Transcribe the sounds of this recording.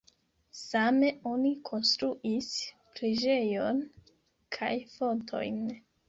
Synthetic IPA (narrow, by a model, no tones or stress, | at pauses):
same̞o̞nikʰo̞nst̪ɾuʔis | pɾiʒe̞jo̞n | kʰajfo̞ntʰo̞̰jn